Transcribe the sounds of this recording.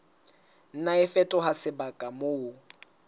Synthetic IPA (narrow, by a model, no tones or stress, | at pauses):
n̩naɪfɛtʼɔɦasɪbakʼamoː